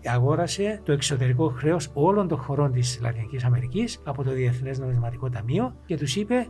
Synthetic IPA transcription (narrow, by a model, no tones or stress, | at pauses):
ɐɣo̞ɾɐse̞t̪o̞e̞kso̞t̪e̞ɾikoxɾe̞o̞so̞lo̞nt̪o̞ŋxo̞ɾo̞nt̪islɐ̰t̪inicisɐme̞ɾicisɐpo̞t̪o̞ðieθnezno̞mizmɐt̪iko̞t̪ɐmio̞ce̞t̪usipe̞